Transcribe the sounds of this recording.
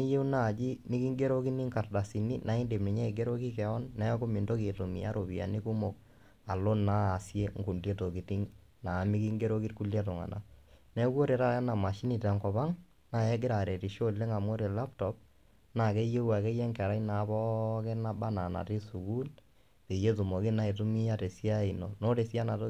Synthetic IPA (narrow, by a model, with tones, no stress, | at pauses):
ni˦je˦wna˦˨d͡ʒi˦mɪ˦ki˦ŋɡe˦ɾo˦ki˦ni˦ŋka˨rda˨si˨ni˦nʔa˨i˦nde˨mi˨ɲɛ˦˨ɡe˦ɾo˦ki˦kɛ˨ɔ˦nːɛ˦kʊ˦mi˨ndo˦ke˨to˨mḭ˨a̰˦ɾʔo˨pi˨a̰˨ni˦ku˦mo˨k̚ | a˨lo˦naː˦˨sje˦ŋɡu˨ndje˦to˨ki˨ti˦ŋ | na˨mi˦ki˦ŋɡe˦ɾo˦ki˦tku˦ljɛ˦t̬ɔ˨ŋa̰˨na̰˦nɛ˦kwo˦ɾe˨ɾa˦ja˦na˨ma˨ʃi˦ni˨ta˨ŋkɔ˨pa˦ŋ | na˨ɛ˦ɡɪ˦ɾa˨ɾe˨ti˨ʃo˦le˦ŋa˨mo˦ɾe˨la˦ptɔ˦p̚ | na˨ke˦je˦wa˨ke˦jɛ˦ŋkɛ˨ɾa˦ina˨˦pɔ˦ke˦na˦ba˦na˨na̰˨ti˦su˨ku˦l | pe˨je˦tu˨mo˨ki˦na˦e˨tu˦mi˦a˦te˨sja˦i˨no˨no˦ɾe˨sja˦na˨to˦